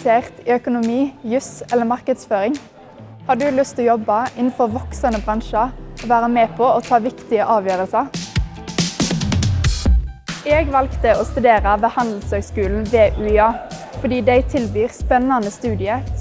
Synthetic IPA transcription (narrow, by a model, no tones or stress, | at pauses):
seːʁt̪iœkʊnʊmiːjʉsɛləmɑʁkəd̪sføːʁɪŋ | hɑːɖ̪ʉːlʉst̪ʰɪjɔbɑɪnn̩fɔʁʋɔksənəbʁɑnʃɑoːʋæːʁəmeːpʰoːoːt̪ʰɑːʋɪkt̪ɪəʔɑːʋjøːʁəlsɑ | eːɡʋɑlkt̪əoːst̪ʉd̪eːʁɑʋeːhɑnd̪l̩shøːɡskʉːln̩ʋeːʔʉːɑː | fɔd̪iːd̪æɪt̪ʰɪlbyːʁspɛnɑnəst̪ʉːd̪ɪə